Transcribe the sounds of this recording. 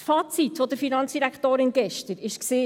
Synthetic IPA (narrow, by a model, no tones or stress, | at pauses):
fɑːt͡sit̪ʋɔd̥̪əɾfinɑnt͡ssd̥iɾækχtoːɾɪnɡ̥ɛʃtəɾɪʃksiː